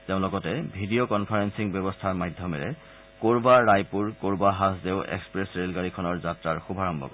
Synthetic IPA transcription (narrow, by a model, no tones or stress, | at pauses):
teʊ̃lɔɡɔtɛbʱidijokɔnpʰaɹensiŋbɛbɔstʰaɹmajdʱːjɔmɛɹɛ̰ | koɹbaɹajpuɹkoɹbaɦasdeʊʔɛ̰kspɹesɹelkaɹikʰɔnɔɹzatɹaɹxubʱaɹɔmbʱɔ̰kɔ